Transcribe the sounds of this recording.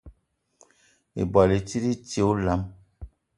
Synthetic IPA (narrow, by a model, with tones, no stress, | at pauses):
ḛ˨bɔ˨le˨ti˦ɾi˦te˨o˦la˨˦m